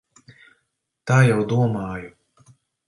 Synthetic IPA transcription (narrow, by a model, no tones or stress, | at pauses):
t̪aːjawd̪uɔmɑːju